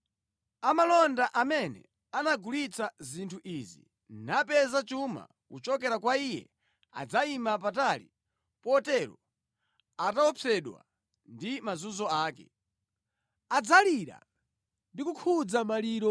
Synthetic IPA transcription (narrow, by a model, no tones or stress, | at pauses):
amalɔndaʔamɛnɛ̰ | anaɡulit͡sazintʰuʔizḭ | napɛzat͡ʃuma̰ | kut͡ʃɔkɛɾakwaijɛ̰ | a̰d͡zaimap̬atalḭ | pɔtɛɾɔ | ataɔpʰɛɗwa̰ | ndimazuzɔaːkɛ̰ | ad͡zaliɾa̰ | ndikukʰud͡zamaliːɾɔ